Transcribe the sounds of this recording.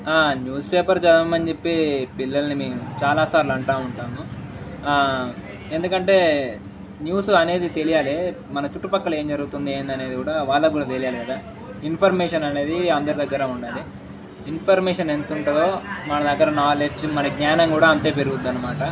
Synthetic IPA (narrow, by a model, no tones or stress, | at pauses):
aːnjuːspeːpɐɾt͡ʃɐd̪ɐmːɐɲd͡ʒepːipilːɐlɐnimeːmut͡ʃaːlaːsaːɾluɐɳʈaːuɳʈaːmu | e̞nd̪ukɐɳʈe̞ː | njuːsuɐne̞ːd̪it̪e̞lijaːli | mɐnɐt͡ʃuʈːupɐkːɐle̞ːɲd͡ʒɐɾuɡut̪und̪ieːnd̪ɐne̞ːd̪ikuːɽaːʋaːɭːɐk̬uːɽaːt̪elijaːliɡɐd̪aː | inpʰɐɾmɛːʂɐnɐne̞ːd̪iɐnd̪ɐɾid̪ɐɡːɐɾɐuɳɖaːli | inpʰɐɾmɛːʂɐnent̪uɳʈɐd̪o̞ːmɐnɐd̪ɐɡːɐɾɐnaːled͡ʒmɐnɐɡɲaːnɐŋkuːɽaːɐnt̪e̞ːpeɾuɡud̪ːɐnːɐmaːʈɐ